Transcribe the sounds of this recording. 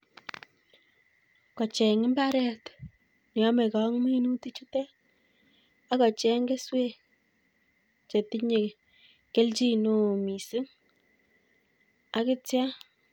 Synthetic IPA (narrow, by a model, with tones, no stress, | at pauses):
kɔ˨t͡ʃɛ˨ŋɪ˦mba˦ɾɛ˦t | ni˨ɔ˦me˨ka˨˦ŋmi˦nu˦ti˦t͡ʃu˦tɛ˦ | a˦kɔ˨t͡ʃɛ˦ŋɡe˦swe˦ | t͡ʃe˨ti˦ɲe˨ | ke˦lt͡ʃi˦no˦˨mi˨sɪ˦ŋ | a˦kɪ˦tja˦